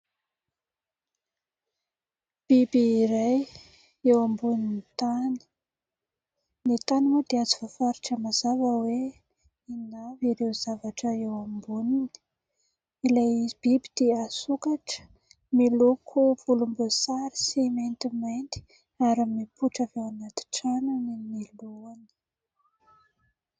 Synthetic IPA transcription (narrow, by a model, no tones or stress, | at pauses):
b̥ibiːɾaj | ewambuninit̪anə̥ | nit̪aniwed̪ead͡zivafaɾiʈ͡ʂəmazavəwe | inaviɾewz̥avaʈ͡ʂəewambunini̥ | ilajb̥ibid̪̥easukaʈ͡ʂə̥ | melokʰuvulumbusaɾi̥simejnt̪imajnt̪i̥ | aɾimipuʈ͡ʂavewanat̪i̥ʈ͡ʂanuniniloani̥